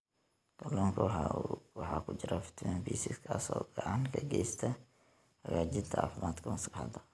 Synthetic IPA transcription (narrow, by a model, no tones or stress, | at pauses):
ɡ̥ɐlɔːŋkʰɐwwɑħɑːkʰʊt͡ʃɪɾafɪ̥t̪ʰmɛnbiːsiskʰasɔ̰ːɡ̥ɐʕɑnkʰɐɡɛjst̪ʰɐ | hɐɡaːd͡ʒɪd̪t̪ʰɐa̰ːfʊmʔaːd̪kʰɐmɐskhɐ̰d̪ɐ